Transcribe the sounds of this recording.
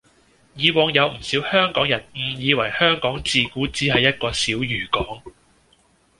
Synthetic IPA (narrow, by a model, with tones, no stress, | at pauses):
jiː˨˧wɔː˨˧ŋjɐ˨˧wm̩˨˩siː˨˥whœː˥ŋkɔː˨˥ŋjɐ˨˩nm̩˨˧˩jiː˨˧wɐ˨˩jhœː˥ŋkɔː˨˥ŋt͡siː˨kuː˨˥t͡siː˨˥ɦɐ˨jːɐ˥t̚kɔː˧siː˨˥wjyː˨˩kɔː˨˥ŋ